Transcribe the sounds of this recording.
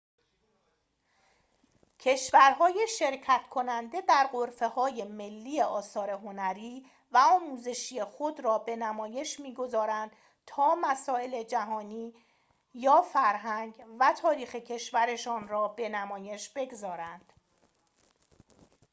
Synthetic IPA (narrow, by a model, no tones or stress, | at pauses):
cʰe̞ʃvæɾɦɒːjeʃe̞ɾcʰæt̪ʰkʰo̞nænd̪e̞d̪æɾɢoɾfe̞hɒːje̞me̞lːiːjeʔɒːsɒːɾe̞ɦo̞næɾiː | væɒːmuːze̞ʃije̞xod̪ɾɒːbe̞næmɒːje̞ʃmiːɡo̞zɒːɾænd̪̥ | t̪ʰɒːmæsɒːe̞le̞d͡ʒæɦɒːniː | jɒːfæɾɦæŋɡvæt̪ʰɒːɾiːxe̞cʰe̞ʃvæɾe̞ʃɒːnrɒːbe̞næmɒːje̞ʃb̥e̞ɡzɒːɾænd̪̥